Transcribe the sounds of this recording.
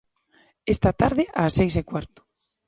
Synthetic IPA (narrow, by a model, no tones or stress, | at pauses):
est̪at̪aɾðɪʔasejs̬ekwaɾt̪ʊ̥